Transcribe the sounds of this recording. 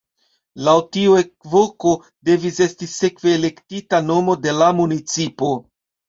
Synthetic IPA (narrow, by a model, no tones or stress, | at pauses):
lawtiue̞k̚vo̞ko̞ | de̞vise̞stise̞kve̞ːle̞ktitano̞mo̞de̞lamunit͡sipo̞